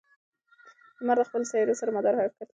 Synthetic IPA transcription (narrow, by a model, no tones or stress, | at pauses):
əmaɾd̪əxpəlsajɑɾesaɾamad̪ɑɾhafkaɾt̪